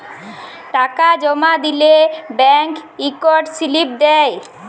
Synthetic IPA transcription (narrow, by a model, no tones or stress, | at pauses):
ʈakad͡ʑɔmad̪ilebɛŋkikɔɾʈsilip̚d̪ɛj